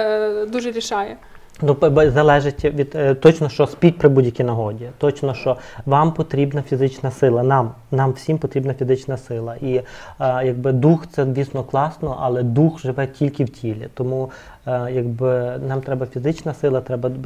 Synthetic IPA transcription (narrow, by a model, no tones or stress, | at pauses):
d̪uʒɛɾʲiʃɑjɛ | nuzɐlˠɛʒetʲʋʲid̪t̪ːɔt͡ʃnɔʃt͡ʃɔspʲit̚ʲpɾɪbudʲjɐkʲinɐɦɔdʲit̪ɔt͡ʃnɔʃt͡ʃɔʋɑmpɔt̪ɾʲibnɐfʲizɪt͡ʃnɐsɪlˠɐnɑm | nɑmwsʲimpɔt̪ɾʲibnɐfʲizɪt͡ʃnɐsɪlˠɐʔijɐɡ̚bɪd̪uxt̪sɛd̪ʲʋʲiːsnɔklˠɑsnɔʔɐlˠɛd̪uxʒɪʋɛtʲilʲkɪwtʲʰilʲḭt̪ɔmu | jɐɡ̚bɪnɑmt̪ɾɛbɐfʲizɪt͡ʃnɐsɪlˠɐt̪ɾɛbɐ